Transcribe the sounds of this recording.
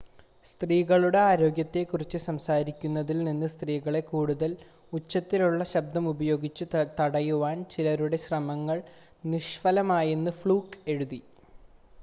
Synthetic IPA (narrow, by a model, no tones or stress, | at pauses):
st̪riːɣɐɭuɽe̞aːɾo̞ːɡjɐt̪ːe̞kurit͡ɕːɨsɐmsaːɾikʲːunːɐðilninːɨst̪riːɣɐɭe̞kuːɽuðɐl | ut͡ɕːɐt̪ːiluɭːɐɕɐb̚d̪ɐmubɐjo̞ːɡit͡ɕːɨt̪ɐɽɐjuʋaːnt͡ɕilɐɾuɽe̞ɕrɐmɐŋːɐɭ | niʂfɐlɐmaːjenːɨfɭuːke̞ɻuði